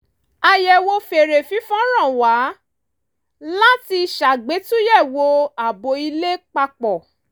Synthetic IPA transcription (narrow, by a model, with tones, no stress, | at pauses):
a˧jɛ˨wo˧fe˨ɾe˨fi˨˦fɔ̃˦ɾ̃ã˦˨wa˨˦ | la˦ti˧ʃa˨ɡ͡be˨˦tũ˦jɛ˦˨wo˧a˨bo˨˧i˧le˦k͡pa˧k͡pɔ˨